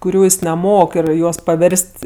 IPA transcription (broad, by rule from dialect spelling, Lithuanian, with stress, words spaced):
kʊˈrʲuː ˈjɪs nʲɛˈmoːk ɪr ˈjuɔs pɐˈʋʲɛrʲsʲtʲ